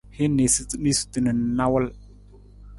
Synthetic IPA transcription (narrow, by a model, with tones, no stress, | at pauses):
hi˦ne˨si˦ni˦su̥˦ti˨nə˨na˦wə˦l